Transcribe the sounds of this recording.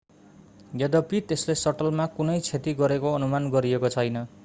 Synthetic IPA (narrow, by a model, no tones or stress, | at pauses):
ɡʌd̪ʌpit̪eslesʌʈʌlmakunʌjt͡sʰet̪iɡʌɾekoʌnumanɡʌɾiekot͡sʰʌjnʌ